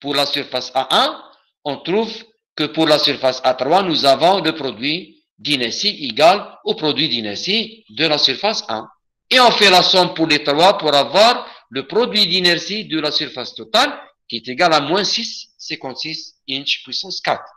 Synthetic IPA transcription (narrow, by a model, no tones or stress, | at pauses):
puʁlasyʁfasaʔɛ̃ | ɔ̃t̪ʁuv | kəpuʁlasyʁfasat̪ɾwanuzavɔ̃ləpʁɔd̪ɥi | d̪inɛsieɡalopʁɔd̪ɥid̪inɛʁsi | d̪əlasyʁfasɛ̰̃ | eɔ̃fɛlasɔmpuʁlet̪ɾwapuɾavwaʁləpʁɔd̪ɥid̪inɛʁsid̪əlasyʁfast̪ɔt̪al | kʲiɛt̪eɡalamwɛ̃sisːɛ̃kɑ̃t̪sisĩnt͡ʃpwisɑ̃skat̪χ